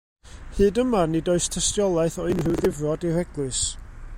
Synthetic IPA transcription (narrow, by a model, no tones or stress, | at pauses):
hɨːdəmanɨdoɨstʰəstjɔlˠaɨθɔɪnrɨwðɪvrɔdiɾɛɡlˠɨs